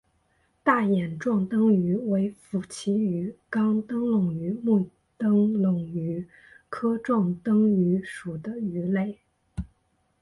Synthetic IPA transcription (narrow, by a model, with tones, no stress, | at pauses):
t̪a˥˩jɛ˨˩nʈ͡ʂwɑ˥˩ŋt̪ɤ˥ŋy˧˥we˧˥ɪfu˨˩t͡ɕʰi˧˥y˧˥kɑ˥ŋt̪ɤ˥ŋlʊ˨˩ŋy˧˥mu˥˩ | t̪ɤ˥ŋlʊ˨˩ŋy˧˥ | kʰɤ˥ʈ͡ʂwɑ˥˩ŋt̪ɤ˥ŋy˧˥ʂu˨˩d̪ə˦y˧˥le˥˩ɪ